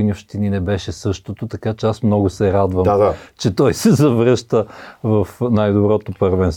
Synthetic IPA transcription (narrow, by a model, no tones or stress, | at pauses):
nʲiopʃt̪ininɛbɛʃɛsɤʃt̪ot̪ot̪ɐkat͡ʃɛasmnɔɡʊsɛɾad̪vəmaat͡ʃɛt̪ɔjsɛzɐvɾəʃt̪əvɐfnajd̪obɾɔt̪opəɾvɛns